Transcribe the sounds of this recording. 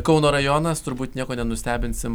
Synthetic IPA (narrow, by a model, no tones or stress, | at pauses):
kɒʊnoːɾɐjɔnɐst̪ʊɾbuːt̪nʲiɛkoːnʲɛnʊsʲt̪ʲæːbʲɪnʲsʲɪm